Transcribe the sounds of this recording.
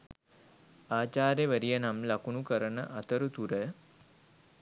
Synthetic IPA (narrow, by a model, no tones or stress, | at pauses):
aːt͡ʃaːɾjəʋəɾijənamlakunukəɾənəʔat̪əɾut̪uɾə